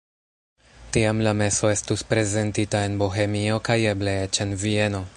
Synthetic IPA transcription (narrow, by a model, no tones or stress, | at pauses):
tiamlame̞so̞e̞stuspɾe̞ze̞ntitae̞nboɦe̞mio̞kajebleet͡ʃe̞nvie̞no̞